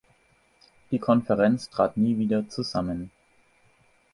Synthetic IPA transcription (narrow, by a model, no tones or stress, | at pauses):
d̥iːkʰɔnfɛʁɛnt͡stʁ̥a̰ːtniːviːdɐt͡suzamən